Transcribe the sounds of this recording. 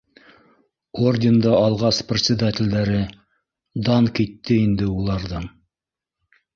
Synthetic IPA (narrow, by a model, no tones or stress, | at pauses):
orʲdʲɪnd̪ɑɑlˠʁɑsprʲɪt̪sʲɪd̪atʲɪld̪æɾɘ | d̪ɑŋkit̪ːɘind̪ɘulˠɑɾðɤɴ